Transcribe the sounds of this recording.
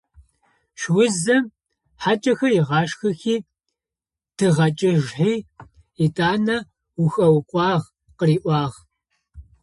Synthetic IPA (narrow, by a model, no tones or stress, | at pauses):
ʃwʊzɐm | ħat͡ʃʼɐxɐjɪʁɑːʂxɐxiː | tʰɨʁɐt͡ʃʼɪʒħiː | itʼaːnɐ | wʊxʼɐwqʷʼɑːʁ | qəriːʔʷɑːʁ